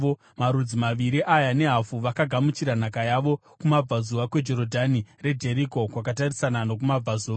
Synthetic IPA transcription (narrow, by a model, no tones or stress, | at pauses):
o | maɾud͡zimaʋiɾiʔajane̞ɦafuʋakaɡʱamut͡ʃiɾanakajaʋo̞ | kumab͡vazuʋakwe̞d͡ʒo̞ɾo̞dʱanire̞dʱe̞ɾiko̞kwakatarisananok̬umab͡vazuʋa